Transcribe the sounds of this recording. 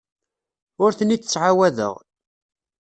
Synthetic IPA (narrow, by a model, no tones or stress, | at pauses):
ʊɾθənit͡sːət͡sːʕawæðə̰ʁ